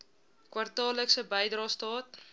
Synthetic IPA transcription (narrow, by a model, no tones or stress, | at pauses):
kwɐrtɑːləksəbəjdrɑːstɑːt̚